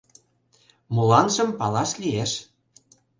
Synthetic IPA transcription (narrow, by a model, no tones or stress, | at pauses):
mulɑnʒɤ̆mpɑlɑʃlʲijeʃ